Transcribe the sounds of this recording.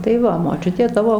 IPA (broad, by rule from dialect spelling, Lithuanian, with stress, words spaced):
tɐɪ ˈʋɐ moːˈt͡ʃʲʊtʲeː ˈtɑːʋoː